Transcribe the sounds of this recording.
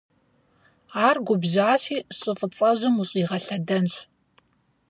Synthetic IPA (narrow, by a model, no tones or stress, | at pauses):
aːrɡʷʊbʑaːɕiːɕʼɪfʼɨt͡sʼɐʑɨmuɕʼiːʁɐɬɐdɐnɕ